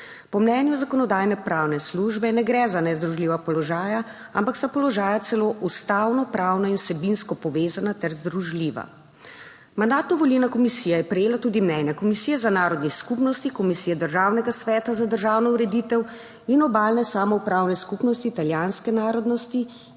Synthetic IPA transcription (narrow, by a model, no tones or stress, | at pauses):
pɔmnɛnjuzakɔnɔd̪aːjnɛpɾaːwnɛsluʒbɛnɛɡɾɛzanɛzd̪ɾuʒliːʋapɔlɔʒaːja | ampakst̪apɔlɔʒaːjat̪sɛloːʔust̪awnɔpɾawnɔinwsɛbinskɔpɔʋeːzanat̪ɛɾzd̪ɾuʒliːʋa̰ | mand̪aːt̪uʋɔlinakɔmisijɛjɛpɾɛjeːlat̪uːd̪imnɛnjakɔmisiːjɛzanaːɾɔd̪niskupnɔst̪ikɔmisijɛd̪əɾʒaːwnɛɡasʋɛːt̪azad̪əɾʒaːwnɔuɾɛd̪it̪ɛw | inɔbaːlnɛsaːmɔupɾawnɛskupnɔst̪iːt̪aljaːnskɛnaːɾɔd̪nɔst̪i